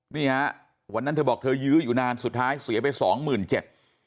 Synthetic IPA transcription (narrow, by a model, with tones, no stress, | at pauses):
niː˥˩ha˦˥ʔ | wa˧nːa˥nt̪ʰɤː˧bɔː˨˩k̚t̪ʰɤː˧jɯː˦˥juː˨˩naː˧nsu˨˩t̪̚ʰːaː˦˥jsi˨˩˦pa˧jsɔ̰ː˩˦ŋmɯː˨˩nt͡ɕe˨˩t̪̚